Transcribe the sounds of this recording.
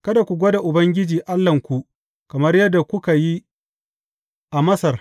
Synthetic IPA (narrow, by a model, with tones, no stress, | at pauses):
kɐ˦da˨kʷu˨ɡʷo˦da˨ʔʊ˨bɐ˦ŋɡʲɪ˦d͡ʒiː˨ʔa˦lːɐ˨ŋkʷu˨ʔ | kɐ˨mɐ˦rjɐ˦dːa˨kʷʊ˦ka˨ji˦ | ʔa˨mɐ˦sɐ˨r